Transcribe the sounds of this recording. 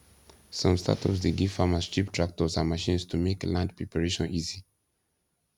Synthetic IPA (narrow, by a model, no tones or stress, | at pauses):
sɔ̃mstʰa̰tʰɔ̰psdeɡivfamast͡ʃiptʰɹak̚tɔsãnmaʃĩnstʰumeklãndpʰɹɛpaɹeʃɔ̃nizi